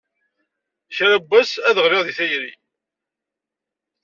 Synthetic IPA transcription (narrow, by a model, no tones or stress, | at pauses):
çɾæbːæsæðəʁlɪʁðiθæjɾi